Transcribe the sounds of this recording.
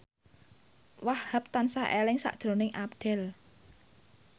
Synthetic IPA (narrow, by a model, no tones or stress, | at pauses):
wahhəp̚t̪ansaʔelɪŋsa̰ʔd̥ʒ̥ɾo̤nɪŋʔapɖ̪̥ɛ̤l